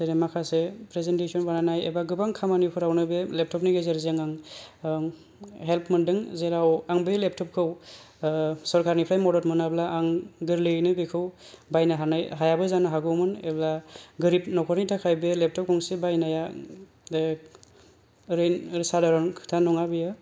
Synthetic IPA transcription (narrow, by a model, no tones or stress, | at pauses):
seɾemakʰasepɾezentesɔnbananajḛbaɡɯbaŋkʰamanipʰɯɾawnɯbelep̚tʰɔp̚niɡezeɾzeŋaŋ | ɦelpʰmɯndɯŋzeɾawaŋbelep̚tʰɔp̚kʰɯw | sɔɾkʰaɾnipʰɾajmɔdɔtmɯnablaʔːŋɡɯɾlɯnɯbekʰɯwbajnaɦanajɦajabɯzanaɦaɡɯmɯnḛblaɡɯɾipnɔkʰɔɾnitʰakʰajbelep̚tʰɔp̚kʰɔŋsebajnaja | ɾenɾsadaɾɔnkʰtʰanɔŋabijɯ